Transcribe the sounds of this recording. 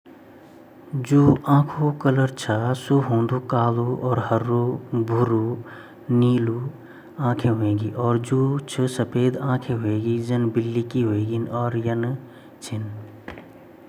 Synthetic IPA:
d͡ʒuːʔãːkʰukələɾt͡ʃʰasuɦõːnd̪ukaːluɔːɾɦəɾːobʱʊɾu | niːlu | ãːkʰeɦoẽːɡiʔɔːɾd͡ʒuːt͡ʃʰɨsɐpeːd̪ãːkʰeɦoeːɡid͡ʒɐnbɪlːikiɦoeːɡinɔːɾjən | t͡ʃʰɪn

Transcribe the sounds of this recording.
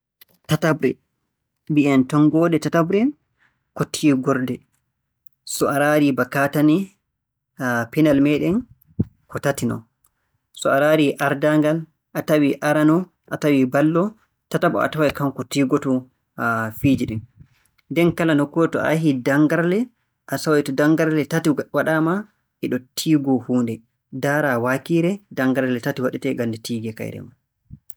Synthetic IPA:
tatabɾɛ̰ | biɛntɔŋɡɔːɗɛtatabɾɛn | kotʰːiːɡɔɾdɛ | sɔaɾaɾibakatani | pɛnalmɛɗɛn | kɔtatinɔ̰ | sɔaɾaːɾiʔaɾdaŋɡal | ʔatawiʔaɾanɔ | ʔatawibalːɔ | tatabɔ̰a̰tawajkamkɔtiːɡɔtɔ | fid͡ʒiɗin | ndɛnkalanɔkːɔɛtɔa̰ɦidaŋɡaɾlɛ | ʔasawajtɔdaŋɡaɾlɛtatiwaɗama | ʔɛɗɔtʰiːɡɔhuːndɛ | daːɾawakiːɾɛdaŋɡaɾlɛtatiwaɗitɛɡandɛtʰiːɡɛka̰jɾɛ̰ma

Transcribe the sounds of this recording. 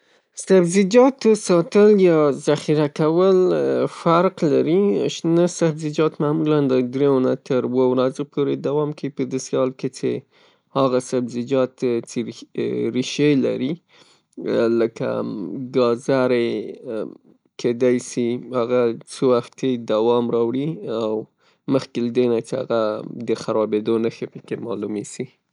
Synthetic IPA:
sabzɪd͡ʒɑt̪osɑt̪əljɑzaxiɾakawəlfaɾqlaɾiʃnəsabzɪd͡ʒɑt̪mamuland̪əd̪ɾenat̪əɾwowɾazopʰoɾed̪awɑmkawipəd̪əseɑlket͡ʃḛ | haɣasabzɪd͡ʒɑt̪t͡ʃeɾiʃela̰ɾi | ləka̰ɡɑzaɾe | kʰed̪ɑjsihaɣat͡səwaxt̪ed̪awɑmɾɑwɽiaw | məxkelad̪enat͡ʃea̰ɣad̪əxaɾɑbed̪onəxepəkemɑlumesi

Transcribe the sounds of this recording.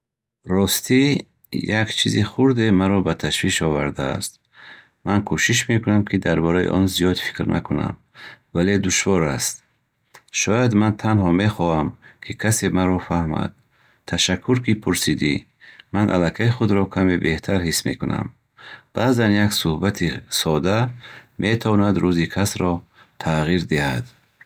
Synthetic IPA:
ɾɔst̪ʰi | jakt͡ʃʰiziχuɾd̪emaɾɔbat̪ʰaʃviʃɔvaɾd̪a̰ːst̪ː | ankʰuʃiʃ̬me̞kunamkʰid̪aɾbɔɾajḭʔɔ̰nzijɔd̪fi̥kɾna̰kʰuna̰m | vale̞d̪uʃvɔɾast̪̚ | ʃɔjad̪mant̪ʰanhɔme̞χɔhamkʰikʰasemaɾɔfahma̰d̪̥̚ | t̪ʰːaʃakʰːuɾkipʰuɾsid̪i | manʔa̰lakʰaiχud̪ɾɔkʰamebe̞ht̪ʰaɾhismḛkunʔa̰m | b̥azanjaksuhbat̪ʰisɔd̪amʔet̪ʰavɔnad̪ɾuzikʰasɾɔ | t̪ʰaʁiɾd̪ihad̪̥

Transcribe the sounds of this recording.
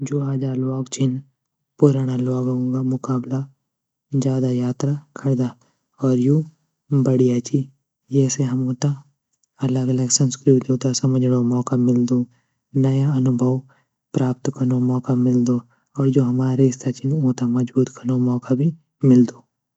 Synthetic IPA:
d͡ʒoːaːd͡ʒalɔːɡt͡ʃʰɪn | puɾaːnalɔːɡõɡamʊkaːbla | d͡ʒjaːd̪ajaːt̪ɾakʰɐɽd̪a | ɔːɾjũː | bɐɽijat͡ʃi | d͡ʒɛːseɦɐmõːt̪a | ɐləɡələɡsɐ̃nskɾɪt̪d̪oːt̪asɐməd͡ʒɽomɔːkamɪld̪o | nɐjaɐnʊbʱəw | pɾaːp̚t̪kɐɾnomɔːkamɪld̪o | ɔːɾd͡ʒoːɦɐmaːɾeɪst̪ʰat͡ʃɪnõːt̪amɐd͡ʒbuːt̪kɐnomɔːkabʱi | mɪld̪oː

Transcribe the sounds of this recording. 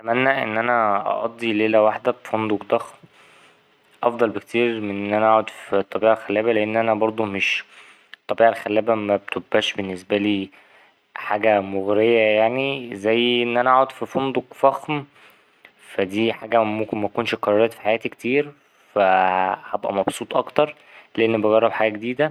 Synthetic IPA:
ʔæt̪æmænːæʔḛnːʔænæʔɑ̰ʔɑ̰d̪ˤːileːlæwaħd̪æbfond̪okd̪ˤɑxm | ʔɑfd̪ˤɑlbekt̪iːɾmenːʔænæʔaʕod̪fit̪ˤːɑbiːʕælxælːæːbæleʔenːʔænæbɑɾˤd̪ˤumeʃ | t̪ˤːɑbiːʕalxælːæːbæmæbet̪obːæːʃbenːesbæliː | ħaːɡæmoɣɾejæjaʕnizæjːʔenːʔænæʔaʕod̪fifond̪ˤoɡfɑxm | fæd̪iːħaːɡæmokenmækuːnʃqɑɾˤɑɾˤɑːt̪fi̥ħajæːt̪ikt̪iːɾ | fæhɑbʔæ̰mɑbsˤuːt̪ˤʔɑkt̪ɑɾˤ | leʔenːbɑɣɑrˤːɑbħaɡæːɡed̪iːd̪æ

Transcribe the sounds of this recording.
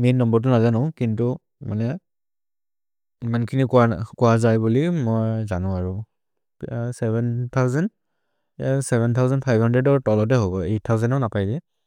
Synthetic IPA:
mennɔmbɔɹt̬ʊnazanɔ̃kintu | ma̰nɛ | imankʰinikakuazajbulimɔjzanʊ̃aɹu | sɛbɛnt̪ʰawzɛnd | sɛbɛnt̪ʰawzɛnpʰajbhɔndɹɛdɔɹtɔlɔt̬ɛɦobɔetʰːawzɛntɔnapajdɛ

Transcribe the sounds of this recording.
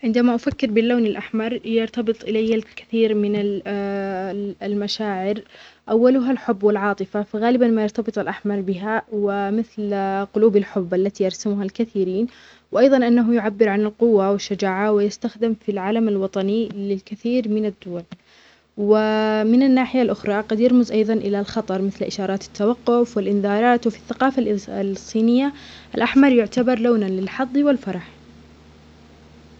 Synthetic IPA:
ʕɪnd̪amaʔafakːɪɾbɪlːaːnɪlʔaħmɑɾˤjɑɾt̪ɑbɨt̪ˤʔɪlajːalkḁθiːɾmɪna | lmaʃaːʕɪɾʔawːalʊɦalħʊbːwɪlʕɑːt̪ˤɨfafaɣaːlɪbanmajɑɾt̪ɑbɨt̪ˤɪlʔaħmɑɾˤbɪɦawɪmɪθlqʊluːbalħʊbːʔalːat̪ijɑɾˤsamʊɦalkaθiːɾiːn | wʔɑjðˤɑnʔanːaɦʊjʊʕabːɪɾʕanɪlqʊwːawɪʃːad͡ʒaːʕawɪjɪst̪axd̪ɪmfilʕalamalwɑt̪ˤɑnilɪlkɪθiːɾmɪnad̪ːuːal | wɪmɪnanːaːħɪjalʔʊxɾˤɑqɑd̪jɑɾmʊzʔɑjðˤɑnʔɪlalxɑt̪ˤɑɾˤmɪθlʔɪʃɑːɾˤɑːt̪ɪ̥t̪ːawɑqːʊfwɪlʔɪnðɑːɾˤɑːt̪wɪfiθːaqɑːfallsˤːiːnɪjːaʔalʔaħmɑɾˤjʊʕt̪abɑɾˤloːnanlɪlħɑðˤːwɪlfɑɾˤɑħ

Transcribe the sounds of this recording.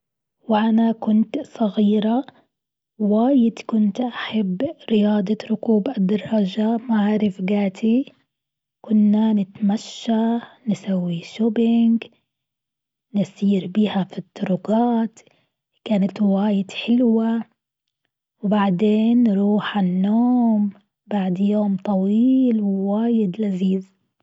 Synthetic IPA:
wʔanakʊnt̪sˤɑɣiːɾa | waːjɪd̪kʊnt̪ʔaħabːɾɪjɑːd̪ˤɑɾʊkuːbʔad̪ːɑrˤːɑʒamaʕaɾɪfɡaːt̪ʰi | kʊnːanɪt̪maʃːanɪsawːiʃʊbɪŋɡ | nɪsiːɾbiːhafit̪ˤːʊɾʊɡɑːt̪ | kaːnat̪waːjɪd̪ħɪlwa | wbaʕd̪eːnːɾuːħanːoːm | baʕd̪joːmt̪ˤɑwiːlwwaːjɪd̪laziːz

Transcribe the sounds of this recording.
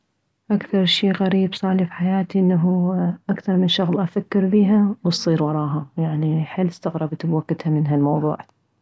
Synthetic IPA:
ʔakθɑɾˤʃiːɣaɾiːbsˤɑːlifħajaːt̪iʔɪnːaɦuʔakθɑɾˤmɪnʃʊɣlʔafakːɪɾbiːɦawsˤiːɾwɑɾˤɑːɦajaʕniħɪlːɪst̪aɣɾˤɑbat̪ɪbakːɪt̪hamɪnɦalmɑwðˤuːʕ

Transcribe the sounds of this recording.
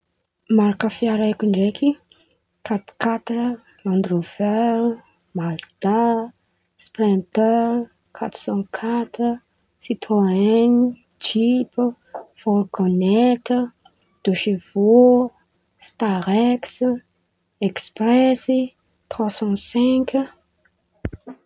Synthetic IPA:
maɾakəfiaɾekuɳɖ͡ʐekʰi | kat̪kat̪rə | ãnd̪ɾovɛl | mazd̪a | sprɛ̃nt̪ɛɾ | kʰat̪ɾ̥sɑ̃kʰat̪ɾə | sit̪ʰwaɛni | t͡ʃip | fɔlɡɔnɛt̪ə | d̪̥oʃevo | st̪aʁɛks | ɛkspɾɛsi | t̪χwasɑ̃sɛ̃k

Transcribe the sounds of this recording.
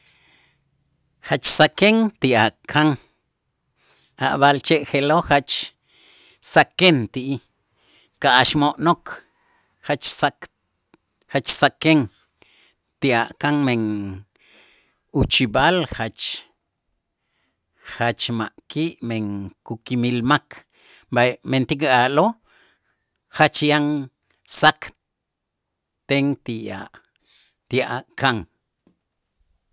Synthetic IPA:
χat͡ʃsakeŋt̪iʔaʔkʰaŋ | ʔa̰ʔβalt͡ʃeʔχeloχat͡ʃ | sakent̪iʔi | kaʔaʃmoʔnok | χat͡ʃsak | χat͡ʃsakeŋ | t̪iʔaʔkaŋmeŋ | ut͡ʃiɓalχat͡ʃ | χat͡ʃmaʔkiːʔmeŋkukimilmakʰ | ament̪ikaʔlo | χat͡ʃjaŋ | sak | t̪eŋt̪iʔa̰ʔ | t̪iʔaʔkaŋ

